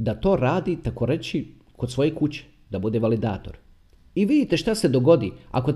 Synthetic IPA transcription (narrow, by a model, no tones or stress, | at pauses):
d̪at̪o̞ːɾaːd̪it̪ako̞ɾe̞t͡ɕi | kosʋo̞jekut͡ɕe̥ | d̪abud̪eʋalid̪aːt̪o̞ɾ | iʋid̪it̪e̞ʃt̪ase̞d̪o̞ɡo̞d̪ia̰ko̞